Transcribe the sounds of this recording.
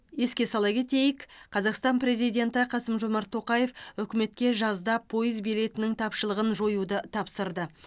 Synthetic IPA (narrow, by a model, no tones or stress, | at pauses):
je̞skʲe̞sɑlˠɑkʲe̞t̪e̞jɪkqʰɑzɑqst̪ɑnpɾe̞zijd̪ʲe̞nt̪ɪqʰɑsəmʒo̞mɑɾt̪ʰːo̞qɑje̞fʏkʲɪme̞t̪̚kʲe̞ʒɑzd̪ɑpʰo̞jəzbijle̞t̪ɪnɪŋt̪ʰɑpʃəlˠəʁənʒo̞jud̪ət̪ʰɑpsəɾd̪ə